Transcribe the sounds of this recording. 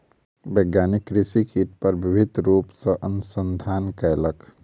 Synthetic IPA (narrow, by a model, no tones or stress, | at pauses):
beɡjaːnɪkːɾɪsikʰiːʈ̚pəɾbɪbʱɪd̪ʱɾuːpsəʔənʊsə̃nd̪ʱaːnkɛːlək